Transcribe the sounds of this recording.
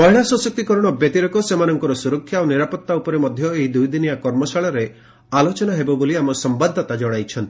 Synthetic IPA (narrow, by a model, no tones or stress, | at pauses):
mɔɦiɭasɔ̃sɔk̚t̪ikɔɾɔɽ̃ɔbjet̪iɾɔkɔsemanɔŋkɔɾɔsuɾɔkʰːjaoniɾapɔt̪ːaupɔɾemɔd̪ʱjɔeɦid̪ujd̪inijakɔɾmɔsaɭɔɾe | alot͡ʃɔnaɦebɔboliamɔsɔmbad̪ʱːɔt̪ad͡ʒɔɽ̃ajt͡ʃʰɔnt̪ii